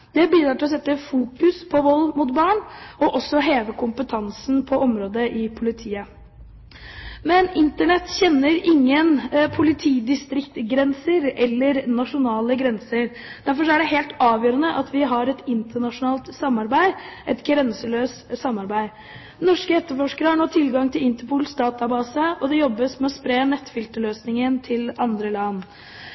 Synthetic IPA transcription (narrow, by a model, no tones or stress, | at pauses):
d̪̥ɛbiːd̪ɾɑːʈɪlɔsɛt̪ːəfuːkʉspʰɔʋɔlːmʊt̪bɑːɳɔʔɔsːɔɦeːʋəkʰʊmpət̪ʰɑnsn̩pʰɔɔmɾoːd̪əʔɪpʰʊlɪt̪ʰiːə | mɛnɪnt̪əɳɛt̪ːçɛnːəɾʔɪŋːənpʰʊlɪt̪ʰiːd̪ɪst̪ɾɪkt̪ɡɾɛnsəɾɛlːəɾnɑʂʊnɑːləɡɾɛnsəɾ | d̪̥æɾfɔʂɔæɖɛɦeːlt̪ɑːʋjøːɾənəʔɑt̪ʰʋɪɦɑɾɛt̪ɪnt̪əɳɑʂʊnɑːlt̪sɑmːɑɾbæɪʔɛt̪ɡɾɛnsəløːst̪sɑmːɑɾbæɪ | nɔʂkəɛt̪ːəɾfɔʂkəɾəhɑɳoːt̪ʰɪlɡɑŋt̪ʰɪlɪnt̪əɾpʰuːlsd̪ɑːt̪ɑbɑːsəɔd̪ɛjɔbːəsmɛɔspɾeːnɛt̪ːfɪlt̪əløːsnɪŋənt̪ʰɪlɑnd̪ɾəlɑnː